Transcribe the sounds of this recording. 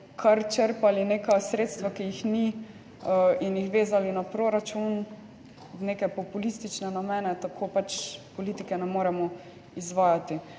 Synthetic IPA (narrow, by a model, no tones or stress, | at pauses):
kʰaɾt͡ʃəɾpalineːkasɾeːt̪st̪ʋakijixni | injixʋeːzalinapɾoːɾat͡ʃun | neːkɛpɔpulist̪it͡ʃnɛnamɛːnɛt̪akʰopat͡ʃpɔlit̪ikɛnɛmoːɾɛmɔ | izʋaːjat̪i